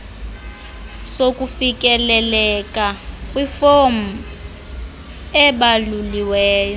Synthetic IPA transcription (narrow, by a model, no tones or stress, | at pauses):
sok̬ʼufikʼɛlɛlɛkʼakʼwifom̩ | ɛɓaluliwɛːjɔ